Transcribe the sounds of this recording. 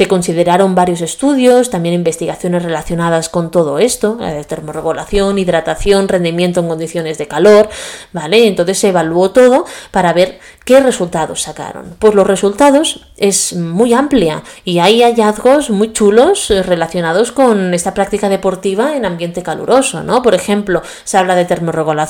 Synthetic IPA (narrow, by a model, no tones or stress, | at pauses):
se̞ko̞nsið̞e̞ɾaɾo̞mbaɾjo̞se̞st̪uðjo̞st̪amje̞nimbe̞st̪iɣaθjo̞ne̞sre̞laθjo̞nað̞asko̞nt̪o̞ðoe̞st̪o̞t̪e̞ɾmoreβo̞la̰θjo̞niðɾat̪aθjo̞nre̞nd̪imje̞nt̪oeŋko̞nd̪iθjo̞ne̞zðe̞kalo̞ɾbaleːnt̪o̞nθe̞sːeːβ̞alwo̞t̪o̞ðo̞paɾaβ̞e̞ɾ | ke̞re̞sult̪aðo̞sːaka̰ɾo̰npwo̞zlo̞sre̞sult̪aðo̞s | e̞zmujamplja̰iajaʎaðɣo̞zmujt͡ʃulo̞sre̞laθjo̞nað̞o̞sko̞ne̞st̪apɾak̚t̪ikað̞e̞po̞ɾt̪iβ̞aenãmbje̞nt̪e̞kalṵɾo̞so̞̰no̞po̞ɾe̞xẽ̞mplo̞ | seaβ̞lað̞et̪e̞ɾmo̞reɣula